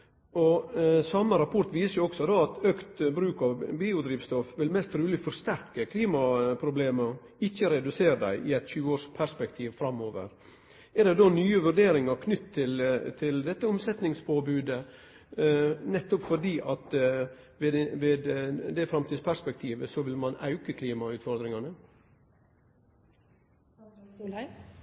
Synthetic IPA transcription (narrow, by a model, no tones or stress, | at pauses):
ɔsɑmːəɾɑpʰɔɾt̪ʋiːsəɾjʊɔksɔd̪ɔɑt̪økt̪bɾʉːkɑʋbiːʊd̪ɾiːʋst̪ɔfʋɪlmɛst̪ɾʉːlɪfɔɾst̪æɾkəkʰliːmɑpʰɾʊbleːməɾ | ɪçːəɾɛd̪ʉseːɾəd̪æ̰ɪʔɪɛɪt̪çʉːəoːɾʂpʰæɾspɛkt̪ʰiːʋfɾɑmːoːʋə̰ɾ | ɛdɛd̪onyːəʋʉɾɖeːɾɪŋɑɾkʰnʏt̪ʰːɪlt̪ʰɪld̪ɛt̪ːəʊmsɛt̪nɪŋspʰoːbʉːd̪ə | nɛt̪ːɔpfɔɖiːʔɑt̪ | ʋeʋeːd̪d̪ɛfɾɑmt̪ʰiːspʰæɾspɛk̚t̪ʰiːʋəsɔʋɪlmɑnɑ̰ʉkəkʰliːmɑʉːt̪fɔɾd̪ɾɪŋɑnə